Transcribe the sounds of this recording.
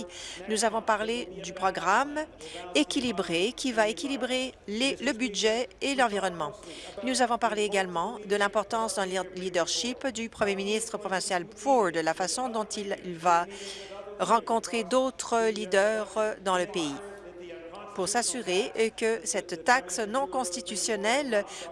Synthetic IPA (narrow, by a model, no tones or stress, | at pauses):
nuzavɔ̃paʁled̪ypχɔɡʁamekʲilibʁekʲivaekʲilibʁeleləbyd̪ʒɛelɑ̃viʁɔnmɑ̃nuzavɔ̃paʁleːɡalmɑ̃d̪əlɛ̃pɔʁt̪ɑ̃sd̪ɑ̃llid̪œʁʃipd̪ypχəmjeminist̪χəpχɔvɛ̃sjalfɔʁd̪lafasɔ̃d̪ɔ̃t̪illva | ʁɑ̃kɔ̃t̪χed̪ot̪χəlid̪œʁd̪ɑ̃ləpei | puʁsasyʁekəsɛt̪ːaksnɔ̃kɔ̃st̪it̪ysjɔnɛl